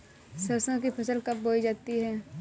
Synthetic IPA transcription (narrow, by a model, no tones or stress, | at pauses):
sɐɾsõkipʰɐsəlkɐpboːid͡ʒaːt̪iɦɛː